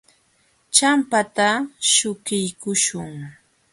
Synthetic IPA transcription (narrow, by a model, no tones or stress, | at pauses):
t͡ʃampat̪aʃʊkɪjkʊʃʊŋ